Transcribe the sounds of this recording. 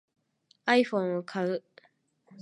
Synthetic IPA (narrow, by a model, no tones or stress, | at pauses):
aiɸõŋ̃okʰaɯ